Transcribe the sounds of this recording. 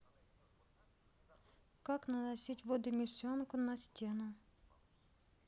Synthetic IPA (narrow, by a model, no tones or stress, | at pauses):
kaknɐnɐsʲitʲʋod̪ʊmʲɪsʲɔnkʊnɐsʲtʲenʊ